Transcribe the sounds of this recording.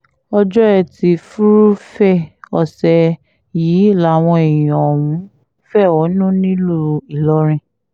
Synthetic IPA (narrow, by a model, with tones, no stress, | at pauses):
ɔ˧d͡ʒɔ˦ɛ˦˧˨ti˧fu˦ɾu˦fɛ˦˨ɔ˧˨sɛ˧ | jiː˨˦˨la˨˦˨w̃ɔ̃˧e˨j̃ĩ˨ɔ˨wũ˨˦ | fɛ˦˨ɔ˨˦nũ˦nĩ˦lu˦˨i˨lɔ˨˦ɾ̃ĩ˧